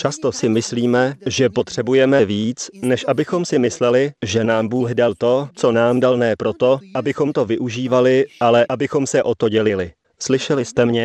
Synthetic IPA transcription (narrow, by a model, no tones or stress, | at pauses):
t͡ʃast̪o̞sɪmɪsliːmɛʒɛpo̞t̪r̝̥ɛbujɛmɛviːt͡snɛʃʔabɪxo̞msɪmɪslɛlɪʒɛnaːmbuːɣdalt̪o̞t͡so̞naːmdalnɛːpɾo̞t̪o̞ʔabɪxo̞mt̪o̞vɪʔuʒiːvalɪʔalɛʔabɪxo̞msɛʔo̞t̪o̞ɟɛlɪlɪ | slɪʃɛlɪst̪ɛmɲɛ